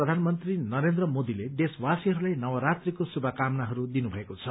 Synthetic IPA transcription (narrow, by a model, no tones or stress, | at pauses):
rʌd̪ʱanmʌnt̪rinʌɾend̪ɾʌmod̪ileɖ̪eswasiɦʌɾulajnʌwʌɾat̪rikosubʱʌkamnaɦʌɾud̪inubʱʌekot͡sʰʌ